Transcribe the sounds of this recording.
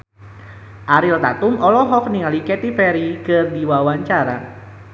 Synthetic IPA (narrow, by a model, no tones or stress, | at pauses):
ʔaɾilt̪at̪ʊmʔɔlɔɦɔk̚niŋalikɛt̪ifɛɾikərdiwawaɲt͡ʃaɾa̰